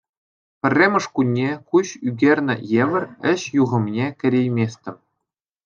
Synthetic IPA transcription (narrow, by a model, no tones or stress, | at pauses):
pʲɘ̆rʲːemʲɤ̆ʂkunʲːekuɕyɡʲerʲnʲɘ̆jeʋʲɘ̆rʲɘ̆ɕjuʁɤ̆mnʲekʲɘ̆ɾʲejmʲesʲtʲɘ̆m